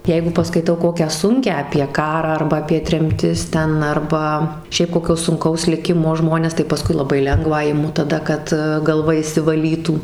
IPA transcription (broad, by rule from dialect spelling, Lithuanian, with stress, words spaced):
ˈjɛɪɡʊ pɐskɐɪˈtɐʊ ˈkoːkʲæː ˈsʊŋʲkʲæː ɐpʲiɛ ˈkɑːrɑː ˈɐrbɐ ɐpʲiɛ tʲrʲɛmʲˈtʲɪs ˈtʲɛn ˈɐrbɐ ˈʃʲɛɪp koːˈkʲoː ˈsʊŋkɐʊs lʲɪˈkʲɪmoː ˈʒmoːnʲɛs tɐɪ pɐˈskʊɪ lˠɐˈbɐɪ ˈlʲɛŋɡʋɑː ɪˈmʊ tɐˈdɐ kɐt ɡɐlˠˈʋɐ ɪʃʲsʲɪʋɐˈlʲiːtuː